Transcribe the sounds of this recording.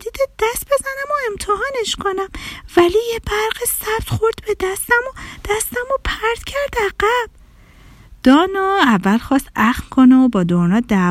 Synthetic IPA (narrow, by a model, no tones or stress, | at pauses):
d̪id̪ed̪æst̪be̞zænæmoemt̪ʰehɒːneʃkʰonæmvælijebæɾɢisæb̥̚t̪χoɾd̪̥bed̪æst̪æmod̪̥æst̪æmopʰæɾd̪̥cʰæɾd̪æɡæb̥ | d̪̥ɒːnɒːævːælxɒːst̪æxmkʰoneobɒːd̪oɾnɒːd̪æ